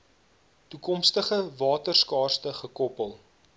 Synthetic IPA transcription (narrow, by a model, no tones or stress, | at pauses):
tukɔmstəχəvɑːtərskɑːrstəχəkɔpəlˠ